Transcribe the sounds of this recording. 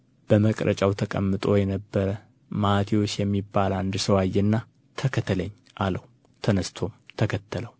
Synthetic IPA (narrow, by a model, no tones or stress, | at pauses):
b̥əməkʼɾʔə̰t͡ʃʼawt̪ʰəkʼə̰mːɨt̪ʼojɛnəbːəɾə | mat̪ʰiwo̞t͡ʃːjɛmːibːaland̪səwajːɛnːa | t̪ʰəkʰət̪ʰːələɲː | ʔaləw | t̪ʰənəst̪ʰo̞mt̪ʰəkʰət̪ʰːələw